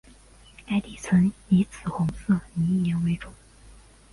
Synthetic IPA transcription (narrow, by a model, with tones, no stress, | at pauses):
a˥ɪt̪i˨˩t͡sʰwə˧˥ni˧˥t͡sʰɹ̩˨˩xʊ˧˥ŋsɤ˥˩ni˧˥njɛ˧˥nwe˧˥ɪʈ͡ʂʊ˨˩˦ŋ